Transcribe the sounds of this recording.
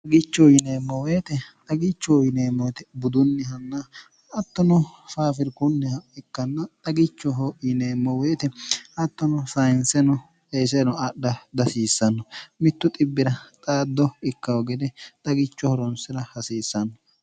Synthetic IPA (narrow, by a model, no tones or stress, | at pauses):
tɐɡɪt͡ʃːɔjɪneːmːɔweːt̪ɛt̪ʼɐɡɪt͡ʃːɔjɪneːmːɔt̪ɛbʊd̪ʊnːɪɦɐnːɐ | ɐt̪ːɔnɔfaːfɪɾkʊnːɪhɐɪkːɐnːɐt̪ʼɐɡɪt͡ʃːɔɦɔjɪneːmːɔweːt̪ɛɐt̪ːɔnɔsɐjɪnsɛnɔ | eːs̬ɛnɔɐɗːɐd̪ɐsiːsːɐnːɔmɪt̪ːʊt̪ʼɪbːɪɾɐt̪ʼaːd̪ːɔɪkːɐwɔɡɛd̪ɛt̪ʼɐɡɪt͡ʃːɔhɔɾɔnsɪɾɐhɐsiːsːɐnːɔ